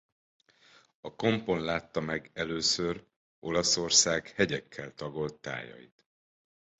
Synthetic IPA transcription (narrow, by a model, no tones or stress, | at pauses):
ɒko̞mpo̞nlaːt̪ːɒmɛɡɛløːsør | o̞lɒso̞rsaːɡhɛɟɛkʰːɛlt̪ɒɡo̞lt̪ːa̰ːjɒ̰jḭt̪